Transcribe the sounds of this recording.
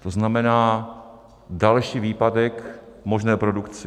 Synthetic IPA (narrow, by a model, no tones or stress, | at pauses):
t̪o̞znamɛnaː | dalʃiːviːpadɛkmo̞ʒnɛːpɾo̞dukt͡sɪ